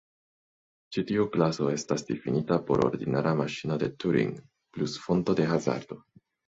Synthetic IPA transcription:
t͡ʃit̪iuklaso̞e̞stasd̪̥ifinitapo̞ɾo̰ɾd̪inaɾamaʃino̞d̪e̞t̪uɾḭŋ | plusfo̞nt̪o̞de̞xaza̰ɾd̥̪o̞

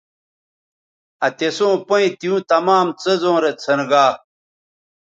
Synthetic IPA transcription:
ɐt̪esõːpɐ̃ĩt̪iũt̪ɐmaːmt͡sezõːɾet͡sʰɐnɡaː

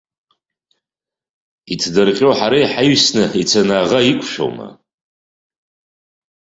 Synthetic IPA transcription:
itʰdɨrqʲʼowħaɾajħajɥsnɨit͡sʰanaːʁaikʷʰʃo̰wma̰

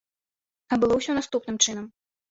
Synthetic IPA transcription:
ɐbɨlˠɔwsʲɔnast̪upnɨmt͡ʂɨnɐm

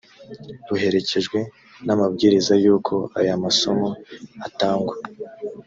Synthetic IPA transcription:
buɦe̞ɾe̞ce̞ʒɡwe̞ | namabɡiːɾizajuːkʰo̞a̰jamaso̞moataːŋɡwa

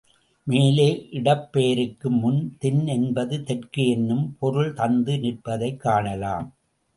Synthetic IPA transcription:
meːleːʔɪɽɐpːeːɾɯkːɯmːʊnt̪ɪnɛnbɐðɯt̪ɛʈkɯɛnːɯmpɔɾɯɭt̪ɐnd̪ɯnɪʈ̚pɐðɐɪkːaːɳɐlaːm

